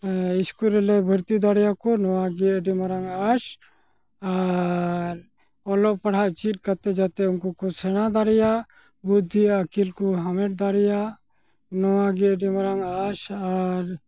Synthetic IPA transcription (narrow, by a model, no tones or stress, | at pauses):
iskulɛlɛbʱəɾt̪id̪aɽijakonɔwaɡiɖimaɾaŋas | a | ɾ | ɔlɔpɐɽ̤aʔt͡ʃit̪̚kat̪ɛd͡ʒat̪ɛunkukosʰɛñad̪aɽɛja | bud̪ʱːiəkilkuɦamɛʈ̚d̪aɽɛja | nɔwaɡiɖimaɾaŋasaɾ